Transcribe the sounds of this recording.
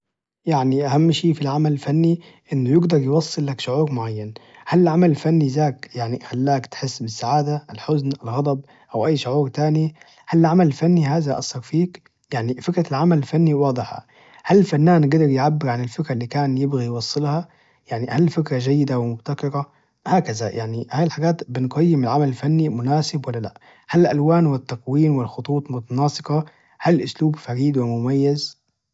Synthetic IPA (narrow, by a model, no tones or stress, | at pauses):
jaʕniʔahamːʃiːfilʕamalɪlfanːi | ʔɪnːʊjɪɡd̪ɑɾˤjwɑsˤːɨlːakʃʊʕuːɾmʊʕajːan | halɪʕamalɪlfanːizaːkjaʕnixalːaːkt̪ħɪsːbɪsːaʕaːd̪aʔɪlħʊznʔɪlɣɑd̪ˤɑb̚ | ʔawʔajːʃʊʕuːɾt̪aːni | halɪʕamalɪlfanːiɦaːzaʔɑ̰shɑɾfiːk | jaʕnifɪkɾalʕamalɪlfanːiwɑːd̪ˤɨħa̰ | halːfanːaːnɡad̪ɑɾˤjʕabːɪɾʕanɪlfɪkɾalːiːkaːnjɪbɣijwɑsˤːɨlhɑ | jaʕnihalfɪkɾaʒajːɪd̪awɪmʊbt̪akɪɾa | haːkazajʔaʕnihaːjɪlħaɡaːt̪bɪnɡɑjːɪmɪlʕamalɪlfanːimʊnaːsɪbwalːala̰ʔ | halʔalwaːnwɪt̪ːaqwiːnwɪlxʊt̪ˤuːt̪ˤmʊt̪ɑnɑːsˤɨqɑ | halʔʊsluːbfaɾiːd̪wɪmʊmajːɪz